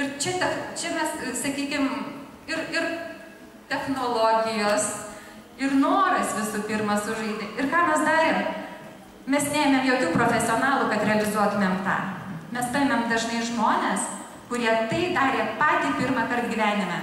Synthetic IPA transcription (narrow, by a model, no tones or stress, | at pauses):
ɪɾt͡ʃʲɛt̪ɛtt͡ʃʲɛmʲɛssɐkʲiːkʲɪm | ɪɾɪɾ | t̪ʲɛxnoːlˠoːɡʲɪjoːs | ɪrnoːɾɪsʋʲɪsuːpʲɪɾmɐsʊʒɐɪd̪ʲɪɪrkɑːmʲɛsd̪ɑːɾʲem | mʲɛsnʲæːjemʲemjoːkʲuːpɾoːfʲɛsʲɪoːnɑːlˠuːkɐt̪ɾʲɛɐlʲɪzuɔt̪ʊmʲeːmt̪ɑ̰ːmʲɛspɐɪmʲɛmd̪ɐʒnɐɪʒmoːnʲeːs | kʊɾʲiɛt̪ɐɪd̪ɑːɾʲeːpɑːt̪ʲiːpʲɪrmɐkɐrt̪ɡʲiːʋʲæːnʲɪmʲɛ